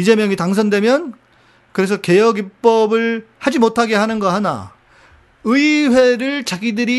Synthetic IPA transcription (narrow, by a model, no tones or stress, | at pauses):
id͡ʑe̞mjʌŋitaŋsʰʌndwe̞mjʌn | kɯɾe̞s̬ʰʌke̞jʌɡip͈ʌbɯɭhad͡ʑimotʰaɡe̞ɦanɯnɡʌɦana̰ | ɯiwe̞ɾɯɭt͡ɕaɡidɯɾi